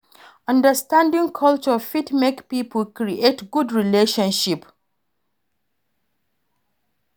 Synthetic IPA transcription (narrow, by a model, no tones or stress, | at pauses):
ʌ̃ndəstãndĩŋkʰʌlt͡ʃəfitmekpipʰəlkɹiʔetɡudɹileʃɔ̃nʃip